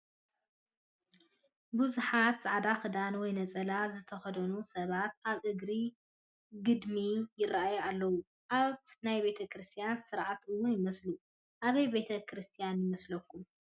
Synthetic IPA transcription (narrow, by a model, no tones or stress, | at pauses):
buzuħat̪sʼaʕd̪axɨd̪anwɔjnɐt͡sʼɐlazɨt̪ʰɐxɐd̪ɐnusɐβat̪̚ʔaβʔɨɡɾi | ɡɨd̪mijɪrːaʔajualːɐwu | ʔaβnajbe̞t̪ʰɐkɾɨst̪ʰijansɨɾʕat̪ɨwːʊnjɪmɐslu | ʔaβɐjbe̞t̪ʰɐkʰɾɨst̪ʰijanjɪmɐslɐkːum